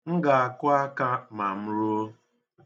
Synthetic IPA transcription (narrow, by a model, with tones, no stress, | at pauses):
ŋ̩˦ɡa˨a˨kʊ˦a˦ka˦ma˨m̩˦ɾu˦o˦